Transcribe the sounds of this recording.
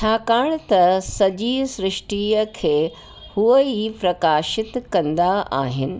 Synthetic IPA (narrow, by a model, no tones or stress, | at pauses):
t͡ɕʰaːkaːɽ̃t̪ɐsɐʄisɾɪʃʈiːəkʰeː | huəipɾɐkaːʃɪt̪kɐ̃nd̪aa̰ːɦɪnɪ̆